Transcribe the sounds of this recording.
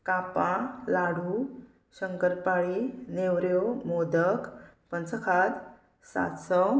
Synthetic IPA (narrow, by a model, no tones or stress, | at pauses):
kapãlaɽ̤u | ɕəŋkəɾpaɭinewɾjomod̪əkpənt͡səkʰad̪ | sa̰t̪sɔ